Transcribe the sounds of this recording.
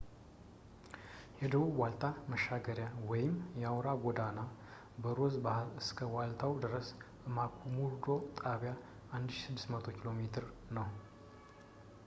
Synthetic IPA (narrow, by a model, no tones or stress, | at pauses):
hɛd̪əwuwalt̪ʰaməʃːaɡəɾjawɔjɪmjɛawɾaɡɔd̪ana | bəɾozɨskʰəwalt̪ʰawd̪ɨɾəs | makʰumuɾd̪o̞t̪ʼaβja | ʔand̪ʃsɨd̪ːɨ̥smət̪ʰo̞kʰilo̞met̪ʰɨɾnəw